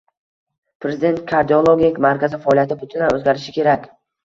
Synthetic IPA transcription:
pɾe̞zɪd̪e̞nt̪̚kʰaɾd̪iolˠoɡʲɪkʲmaɾkʲazɪfaɒlˠijat̪ʰɪbʊt̪ʰɪnanɵzɡʲaɾɪʃɪkʲʰe̞ɾakʲ

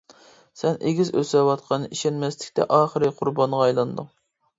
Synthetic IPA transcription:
sɛnʔeɡʲizøsɛwɑt̪̚qʰɑnɨiʃɛnmɛslɪ̥kʲt̪ɛ̰ʔɑːχəɾɨqʰʊɾbɑnʁɑːjlˠɑnd̪ɨŋ

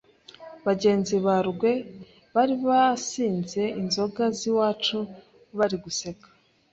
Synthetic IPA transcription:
βaɟe̞ːnziβaɾɡwe̞ | βaɾiβasiːnze̞inzo̞ɡaziwaːt͡ʃu | βaɾiɡuse̞kḁ

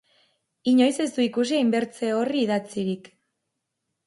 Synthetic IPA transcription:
iɲo̞jse̞zd̪uikus̬iajmbe̞ɾt͡se̞o̞riːðat͡siɾik

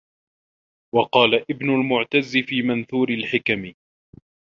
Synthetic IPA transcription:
wɑqɑːlaʔɪbnʊlmʊʕt̪azːɪfiːmanθuːɾɪlħɪkamɪ

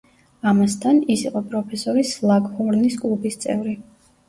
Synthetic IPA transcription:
amast̪ʰanisiqʼɔpʼɾɔpʰɛsɔɾislˠaɡhɔɾniskʼlˠubist̪sʼɛvɾi

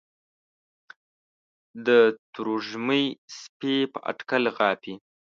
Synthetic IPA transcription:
d̪ət̪uɾuʒməjspepəʔa̰ʈkalɣɑːpi

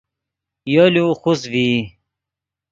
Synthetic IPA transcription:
joluxusvi

